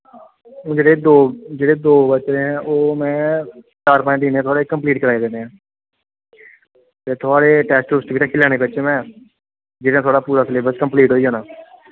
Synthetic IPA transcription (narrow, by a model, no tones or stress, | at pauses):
õːd͡ʒeːɽeːd̪oːd͡ʒeːɽeːd̪oːbət͡ʃẽːɦɛ̃ːʔoːmɛ̃ː | t͡ʃaːɾpãːʈiːnẽːt̪ʰʊaːɽeːkəmpliːʈkəɾaːiːd̪ẽnd̪eːãː | t̪eːt̪ʰʊaːɽeːʈɛːsʈɾʊːsʈʋiːt̪ãːkʰɪlaːneːbətːʃẽːmɛ̃ː | d͡ʒeːɽãt̪ʰoaːɽaːpuːɾaːsəleːbəskəmpliːʈɦoːiːɦoːnaː